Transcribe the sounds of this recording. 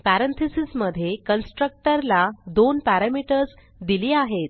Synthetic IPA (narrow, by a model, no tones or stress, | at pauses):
pæɾə̃nt̪ʰesisməd̪ʱːjekənsʈɾək̚ʈəɾlad̪onpæɾamiʈəɾs | d̪iliaɦet̪̚